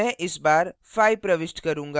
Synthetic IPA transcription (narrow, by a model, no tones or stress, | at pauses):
ɛ̃ʔɪsbaːɾfaːipɾɐʋɪsʈkɐɾũːŋɡa